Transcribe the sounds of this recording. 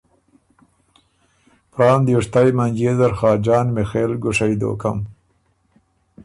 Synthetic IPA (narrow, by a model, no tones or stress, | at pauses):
pɾɑːnd̪juʂt̪ajmaŋɡeːzaɾxɑːd͡ʒɑːnmɪxeːlɡʊʂajd̪o̰ːkam